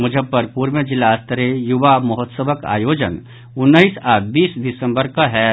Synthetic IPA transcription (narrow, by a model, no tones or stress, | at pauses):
mʊd͡ʒʱəpːəɾpuːɾʋəd͡ʒɪlast̪əɾejuʋamɔɦɔt̪səbəka̰ːjoːd͡ʒən | ʊnːəisaːbiːsd̪ɪsə̃mbəɾkaɦɛ